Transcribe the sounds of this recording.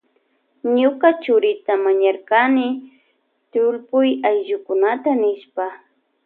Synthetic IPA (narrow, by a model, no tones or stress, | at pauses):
ɲʊkat͡ʃʊɾɪt̪amaɲaɾkanɪ | t̪ʊlpʊjajʒʊkʊnat̪anɪʃpa